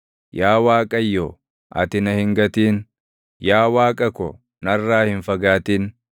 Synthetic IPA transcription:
jaːwaːkʼɐjːɔ | ʔɐ̰t̪ɪnɐhɪŋɡɐt̪iːn | jaːwaːkʼɐkɔ̰ | nɐrːaːhɪnfɐɡaːt̪iːn

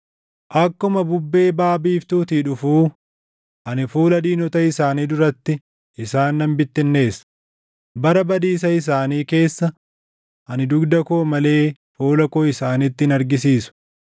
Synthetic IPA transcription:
ʔɐkːʊmɐbʊbːe̞ːbaːbiːft̪uːt̪iːᶑʊfuː | ʔɐnɪfuːlɐd̪iːnɔt̪ɐɪsaːniːd̪ʊɾɐt̪ːɪ | ʔɪsaːnːɐmbɪt̪ːɪnːe̞ːsɐ̥ | bɐɾɐbɐd̪iːs̬ɐɪs̬aːniːke̞ːsːɐ | ʔɐnɪd̪ʊɡd̪ɐkoːmɐle̞ː | fuːlɐkoːɪsaːnɪt̪ːɪɪnɐɾɡɪs̬iːsʊ̥

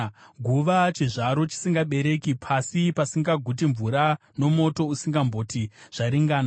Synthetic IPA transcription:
ɡʱuʋat͡ʃiʐaɾo̞t͡ʃi̥siŋɡaɓe̞ɾe̞kipʰasipasiŋɡaɡʱut̬iɱvuɾa | no̞mo̞to̞usiŋɡambo̞tiʐ̥aɾiŋɡaːna

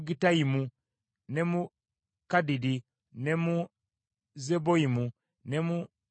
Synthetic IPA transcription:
ɡitaimu | nemu | kadidi | nemu | zeboimu | nemu

